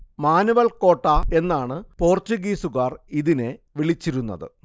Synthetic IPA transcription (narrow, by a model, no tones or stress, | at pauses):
maːnuʋɐlko̞ːʈːae̞nːaːɳɨpo̞ːrtuɡiːsuɣaːriðineʋiɭit͡ɕːiɾunːɐ̰ðɨ̰